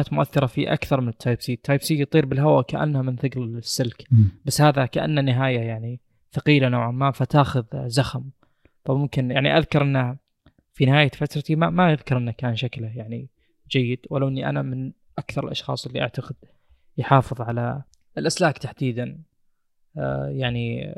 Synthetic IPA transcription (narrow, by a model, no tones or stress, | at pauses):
aːt̪mʊʔaθːɪɾˤɑfiʔa̰kθɑɾˤmɪnɪt̪ʰːajbsiːt̪ʰːaːjbsiːjt̪ˤiːɾbɪlɦawakaʔa̰nːhamɪnθɪɡɾɪsːɪlkbasːhaːðakaʔa̰nːanːɪɦaːjajaʕni | faqiːlanawʕamːaːmfat̪aːxʊðzaxam | famʊmkɪnjaʕniʔaðkɑɾˤʔɪnːa | finɪhaːjafat̪ɾˤɑt̪imamajaðkɑɾˤʔɪnːakaːnʃaklajaʕni | d͡ʒajːɪd̪̥walːaʔɪnːiʔa̰namɪn | ʔakθɑɾˤɪlʔɑ̰ʃxɑ̰ːsˤʔɪlːiʔaʕt̪aɡɪd̪̚ | jħɑːfɨðˤʕala | ɪlʔaslaːkt̪aħd̪iːd̪an | jaʕni